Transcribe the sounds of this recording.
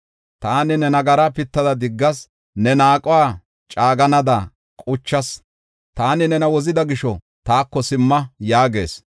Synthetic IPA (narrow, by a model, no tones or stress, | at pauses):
t̪aːnɪnɛnɐɡɐɾɐpɪt̪ːɐd̪ɐd̪ɪɡːɐs | nɛnaːkʼʊwaː | t͡ʃʼaːɡɐnɐd̪ɐ | kʼʊt͡ʃːɐs | t̪aːnɪnɛnɐwɔzɪd̪ɐɡɪʃɔ | t̪aːkːɔsɪmːɐjaːɡe̞̰ːs